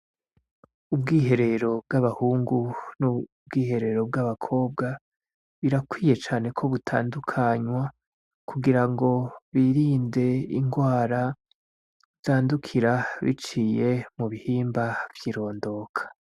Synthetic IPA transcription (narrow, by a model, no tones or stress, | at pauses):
ubɡiːɦe̞ɾe̞ɾo̞b̚ɡaβahuːŋɡunu | bɡiːhe̞ɾe̞ɾo̞b̚ɡaβakʰo̞ːb̚ɡa | βiɾakwiːje̞t͡ʃaːne̞kʰo̞βutʰa̰ːndukʰaɲwa | kʰuɡiɾaŋɡo̞βiɾiːnde̞iŋɡwaːɾa | z̥aːndukʰiɾaβḭt͡ʃiːje̞muβihiːmbavjiːɾo̞ːndo̞ːkʰḁ